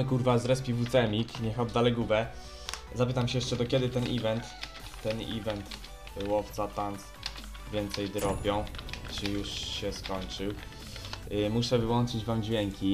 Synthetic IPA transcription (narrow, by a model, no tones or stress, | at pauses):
kuɾvazɾɛspʲivut̪sɛmʲikɲɛxɔd̪ːalɛɡubɛ | zapɘt̪amɕɛjɛʂt͡ʂɛd̪ɔkʲɛd̪ɘt̪ɛnʔivɛnt̪ː | ɛnḭvɛnt̪ | wɔft̪sat̪ans | vʲjɛnt̪sɛjd̪ɾɔpʲjɔ̃w̃t͡ʂɘjuʂɕɛskɔɲt͡ʂɘw | muʂɛvɘwɔnt͡ʂɘd͡ʑvamd͡ʑvʲjɛŋkʲʰi